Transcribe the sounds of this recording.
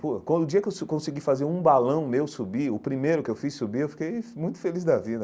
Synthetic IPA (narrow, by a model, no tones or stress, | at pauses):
pokwɐ̃nd̪ʊd͡ʒiɐkewskõsiɡifazeɾũbalɐ̃w̃mewsubiʊpɾimejɾʊkɪewfisubiɾewfi̥kejmũj̃t̪ʊ̥felizd̪ɐvid̪ɐ